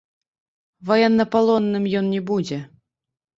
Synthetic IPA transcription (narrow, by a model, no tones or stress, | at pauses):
vajɛnːɐpalˠɔnːɨmjɔnnʲɛbud͡zʲɛ